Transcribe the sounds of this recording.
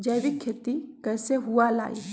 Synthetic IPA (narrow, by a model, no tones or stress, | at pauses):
d͡ʒɐːʋikʰːeːt̪ikɛːseɦuala̰ːḭɦ